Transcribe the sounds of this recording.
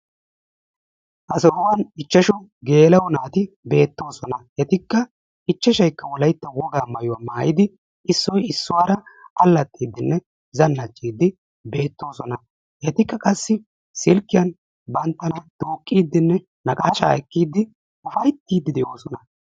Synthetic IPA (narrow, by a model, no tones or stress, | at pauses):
ʔɐsɔʊwɐnɪt͡ʃːɐʃʊɡe̞ːlɐwʊnaːt̪ɪ | be̞ːt̪ːo̞ːsɔnɐjɛt̪ɪkːɐ | ɪt͡ʃːɐʃɐjkːɐwɔlɐjt̪ːɐwɔɡaːmɐjʊwaːmaːjɪd̪ɪ | ʔɪsːɔjɪsːʊwaːɾɐɐlːɐt̪ʼːiːd̪ːɪnːɛ | zɐnːɐt͡ʃʼːiːd̪ːɪ | be̞ːt̪ːo̞ːsɔnɐ | jɛt̪ɪkːɐkʼɐsːɪ | sɪlkʼːɪjɐn | bɐnt̪ːɐnɐd̪̥oːkʼːiːd̪ːɪnːɛ | nɐkʼaːʃa̰ːɛkːiːd̪ːɪ | ʊfɐjt̪ːiːd̪ːɪd̪ɛʔo̞ːsɔnɐ